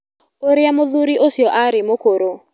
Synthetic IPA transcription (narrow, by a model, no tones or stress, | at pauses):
oɾɪamoðuɾiʔosiɔʔaɾɪmokoɾo